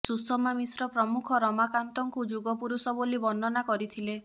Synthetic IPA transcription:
susɔmamisɾɔpɾɔmukʰɔɾɔmakant̪ɔŋkud͡ʒuɡɔpuɾusɔbolibɔnɔnakɔɾit̪ʰile

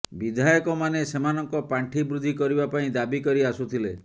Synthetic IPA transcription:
bid̪ʱajɔkɔmanesemanɔŋkɔpaɳʈʰibɾud̪ʱikɔɾibapaĩd̪abikɔɾiasut̪ʰile

